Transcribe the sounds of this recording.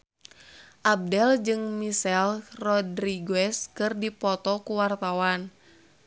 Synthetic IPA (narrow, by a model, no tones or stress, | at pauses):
ʔab̚dɛld͡ʒɨŋmisɛlrɔdɾiɡɛskɨrdipɔt̪ɔkuwart̪awan